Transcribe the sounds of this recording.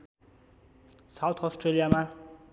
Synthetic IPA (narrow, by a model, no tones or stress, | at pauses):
sawt̪ʰʌsʈrelijama